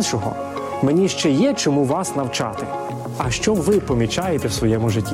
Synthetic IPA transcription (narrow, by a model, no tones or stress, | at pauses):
nʃɔɦɔ̰ | me̞nʲiʃt͡ʃɛjɛt͡ʃɔmuʋɑsnɐwt͡ʃɑ̰t̪ɪ | ɐʃt͡ʃɔbʋɪpɔmʲit͡ʃɑjet̪ɛwsʋɔjɛmʊʒɪtʲːi